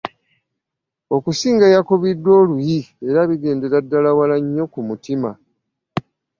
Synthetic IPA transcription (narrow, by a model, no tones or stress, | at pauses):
o̞kusiːŋɡajakoβidːo̞ːlujie̞ɾaβiɡe̞ːnde̞ɾadːalawalaɲːo̞kumutima